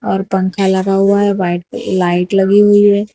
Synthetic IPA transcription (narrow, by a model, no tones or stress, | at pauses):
ɔːɾpə̃ŋkʰalɐɡaɦuaɦɛbaːɪʈlaːɪʈlɐɡiɦuiɦɛː